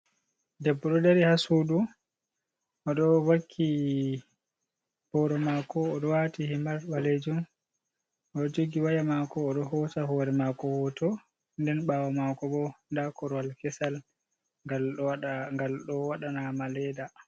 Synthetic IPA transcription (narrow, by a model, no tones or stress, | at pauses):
dɛbːɔɗɔdaɾihasuɗu | ʔɔɗɔwakʰːi | b̥ɔɾɔmakɔːɗɔwatihimaɾbaled͡ʒum | ɔd͡ʒoɡiwajamakɔːɗɔhɔtahɔɾɛmakɔhɔtɔ | ndɛnɓawamakɔbɔndakɔɾɔwalkɛsal | ɡa | ɡalɗɔwaɗanamalɛda